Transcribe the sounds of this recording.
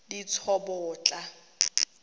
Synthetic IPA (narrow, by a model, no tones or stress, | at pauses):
dit͡sʰɔbʊːt͡ɬʼa